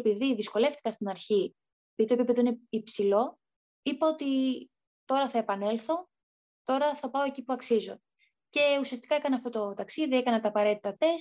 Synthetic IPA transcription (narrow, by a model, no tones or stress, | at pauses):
piðiðisko̞le̞ft̪i̥kɐst̪inɐɾçi | epiðit̪oepiepe̞ðoineipsilo̞ | ipɐot̪i | t̪o̞ɾɐθɐepɐne̞lθo̞ | t̪o̞ɾɐθɐpɐo̞e̞cipuɐksizo̞̰ | ce̞usiɐst̪i̥kɐekɐneɐft̪o̞t̪o̞t̪ɐksiðie̞kɐnɐt̪ɐːpɐɾe̞t̪i̥t̪ɐt̪e̞s